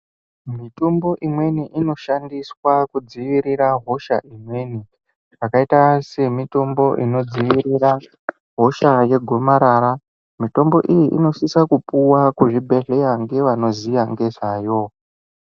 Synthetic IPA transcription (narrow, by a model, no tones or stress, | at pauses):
mitombo̞ʔimwe̞niʔino̞ʃandiswakud͡ziʋiɾiɾaɦo̞ʃa̰ʔimwe̞ni | ʐakaitase̞mito̞mbo̞ʔino̞d͡ziʋiɾiɾa | ɦo̞ʃaje̞ɡʱo̞maɾaːɾa | mito̞mbo̞̰ʔijiʔḭno̞sisakupuwakuʐibʱe̞ɮe̞jaŋɡe̞ʋano̞zijaŋɡe̞zajo̞